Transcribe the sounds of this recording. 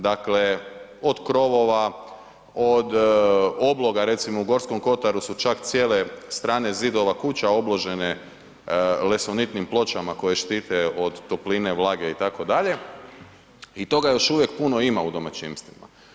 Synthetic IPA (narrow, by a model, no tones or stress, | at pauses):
d̪akle̞od̪kɾo̞ʋo̞ʋa | od̪oblˠo̞ɡaɾe̞t̪simouɡo̞ɾsko̞mko̞t̪aɾusut͡ʃakt̪sijeːle̞st̪ɾaːne̞zid̪o̞ʋakut͡ɕao̞blo̞ʒe̞ne̞ | lesonit̪nimplˠo̞t͡ɕamako̞je̞ʃt̪iːt̪e̞od̪ːopline̞ʋlˠaːɡe̞it̪ako̞d̪aʎe̞ | it̪o̞ɡajo̞ʃuʋje̞kpuno̞imaud̪o̞ma̰t͡ɕimst̪ʋima̰